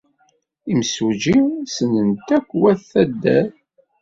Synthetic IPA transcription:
imsud͡ʒisənənt̪ækʷːwæθæd̪ːæ̰θ

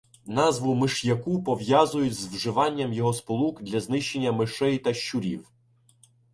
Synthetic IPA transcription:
nɑzʋʊmɪʃjɐkupɔʋjazʊjʊzʋʒɪʋɑnʲːɐmjɔɦɔspɔlˠukd̪lʲɐznɪʃt͡ʃe̞nʲːɐmɪʃɛjt̪ɐʃt͡ʃʊɾʲḭw

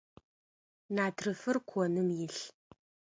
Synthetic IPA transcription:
naːtʰrɨfɨrkʷʰɔnɨmjɪɬ

